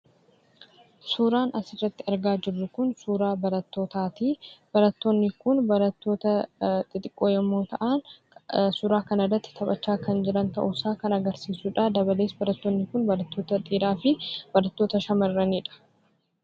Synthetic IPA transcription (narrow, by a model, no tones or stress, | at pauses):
suːɾaːnɐsɪrːɐt̪ːɪɐɾɡaːd͡ʒɪrːʊkʊnsuːɾaːbɐɾɐt̪ːo̞ːt̪aːt̪iːb̥ɐɾɐt̪ːoːnːɪkʊnbɐɾɐt̪ːo̞ːt̪ɐt̪ʼɪt̪ʼɪkʼːoːjɐmːoːt̪ɐʔan | sʊɾaːkɐnɐrɐt̪ːɪ̥t̪ʰɐpʼɐt͡ʃːaːkɐnd͡ʒɪɾɐnt̪ɐ̰ʔʊsaːkɐnɐɡɐɾsiːsuːᶑaːd̪ɐbɐleːsbɐɾɐt̪ːoːnːɪkʊnbɐɾɐt̪ːo̞ːt̪ɐt̪ʼiːɾaːfɪb̥ɐɾɐt̪ːoːt̪ɐʃɐmɐrːɐniːᶑɐ̥